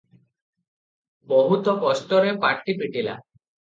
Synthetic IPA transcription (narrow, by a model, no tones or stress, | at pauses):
bɔɦut̪ɔkɔst̪ɔɾepaʈːipiʈila̰